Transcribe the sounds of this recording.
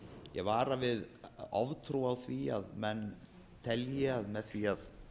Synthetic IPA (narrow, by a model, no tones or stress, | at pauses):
jɛɣvaːɾavɪðɔvt̪ʰɾuawθviaðmɛnː | t̪ʰɛljɛaðmɛðθviað